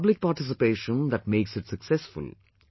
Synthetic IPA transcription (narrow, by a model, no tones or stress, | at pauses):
blɪk̚paːɾʈɪs̬ɪpeːʃə̃nd̪æʈ̚meːksɪʈsəksɛsfʊ̰l